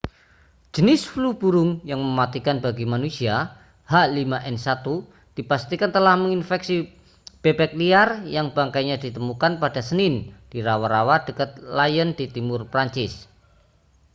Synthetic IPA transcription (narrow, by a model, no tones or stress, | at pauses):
d͡ʒ̥ənɪsflub̥uɾʊŋjaŋməmat̪ikanbaɡimanusia | haʔlimaʔɛnsat̪u | d̥ipast̪ikant̪əlahməŋinfɛksi | b̥ebɛk̚liarjaŋbaŋkajɲad̥it̪əmukanpadasənɪnd̥iɾawaɾawad̥əkət̪̚lajənd̥it̪imʊrpɾaɲt͡ʃɪs